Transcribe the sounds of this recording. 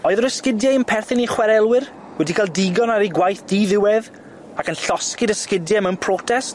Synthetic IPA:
ɔɨðəɾəskɪdjaɪmpʰɛrθɪniχwɛɾɛlˠwɪr | wɛdikʰalˠdɪɡɔnaɾiɡwajθd̥iːðɪwɛð | akənɬɔskɪdəskɪdjɛmənpʰrɔtʰɛst

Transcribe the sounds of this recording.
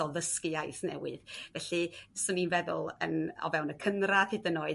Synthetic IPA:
ɔðəskɨajθnɛ̰wɨðvɛɬɨsʊninvɛðʊ̰lˠə̰nɔ̰vɛwnəkʰənraðɨdənɔɨ

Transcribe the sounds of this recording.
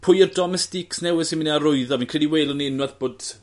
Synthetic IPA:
pʰʊjərdɔmɛstɪksnɛwɪðsɪnminiaɾʊɨðɔmĩːnkr̥ilˠiweːlˠɔniɪnwaðb̥oːd̥

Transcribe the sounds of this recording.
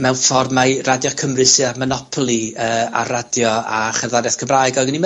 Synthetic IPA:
mɛwnfɔrmaɨradjɔkʰəmrɨsɨamanɔpʰɔlˠiəːa̰radjɔaχɛrðanjaθkʰəmraɨɡɔɡənim

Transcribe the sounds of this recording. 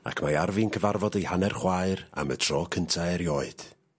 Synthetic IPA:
a̰kʰmaarvinkʰəvarvɔdehanɛrχwaːɨra̰mə̰tʰr̥ɔːkʰəntʰaɛɾjɔːɨd̥

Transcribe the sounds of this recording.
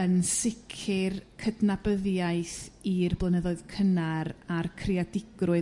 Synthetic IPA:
ənsɪkʰɪrkʰədnabəðjajθirblˠənəðɔɨð̥kʰənaɾarkʰriadɪɡ̥rʊ

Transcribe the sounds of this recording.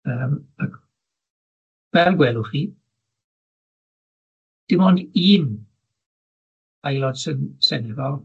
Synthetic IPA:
əːmak | vɛlˠɡwɛːlˠʊχiː | d̥ɪmɔːndiːn | ajlˠɔd̥sɪnsɛnɪvɔlˠ

